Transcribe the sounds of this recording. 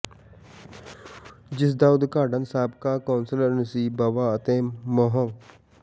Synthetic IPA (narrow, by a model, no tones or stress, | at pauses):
d͡ʒɪs̬d̪aːud̪kaːɖənsaːbkaːkaːnsələɾnəsiːbɐʋaːɐt̪ẽːmoɦə̃